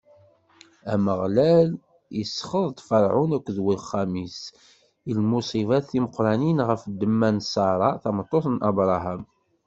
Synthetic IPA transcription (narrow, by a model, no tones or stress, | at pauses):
æməʁlæl | jəsːχəðˤd̪fɑɾˤʕʊnækʷːðwilχːæmis | ilmusˤivɑθːiməqɾˤɑninʁəfd̪ːəmːænsɑɾˤɑθɑmət̪ˤːoθnʔɑbɾˤɑɦæm